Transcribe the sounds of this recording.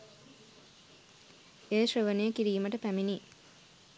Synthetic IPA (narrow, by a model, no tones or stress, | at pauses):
eʃrəʋənejəkiɾiːməʈəpæmini